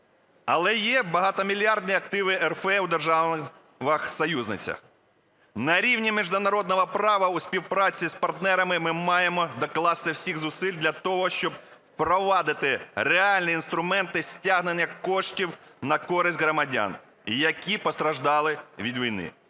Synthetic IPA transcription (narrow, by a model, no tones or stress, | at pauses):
ɐlˠɛjɛbɐɦɑt̪ɔmʲilʲjɑrd̪nʲiɐk̚t̪ɪʋɪɛrfɛwd̪erʒɑ | ʋɐxsɔjuznɪ̰t͡sʲɐ̰x | nɐɾʲiwnʲimʲiʒd̪ʊnɐɾɔd̪̚nɔɦɔpɾɑʋɐuspʲiwpɾɑt͡sʲːispɐrt̪nɛɾɐmɪmɪmɑjemɔd̪ɔklˠɑst̪ɪwsʲiɣzʊsɪlʲd̪ʲlʲɐt̪ɔɦɔʃt͡ʃɔb̚ | wpɾɔʋɑd̪ɪt̪ɪɾeɑlʲnʲiːnst̪ɾʊmɛnt̪ɪsʲtʲaɦnɪnʲjɐkɔʃtʲiwnɐkɔɾɪsʲtʲɦɾɔmɐdʲa̰n | jɐkʲipɔst̪ɾɐʒd̪ɑlˠɪʋʲid̪ʋʲijnɪ̰